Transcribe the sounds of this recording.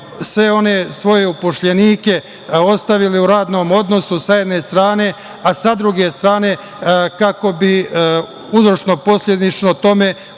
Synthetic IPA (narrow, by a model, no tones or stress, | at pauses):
sʋeo̞nesʋo̞je̞upoʃʎeniːke̞ | o̞st̪aʋiliuɾaːd̪no̞ːmo̞d̪no̞susajed̪ne̞st̪ɾaːne̞ | asad̪ɾuɡe̞st̪ɾaːne̞ | kako̞bi | uzɾoʃno̞po̞slʲe̞d̪it͡ʃno̞t̪o̞me̞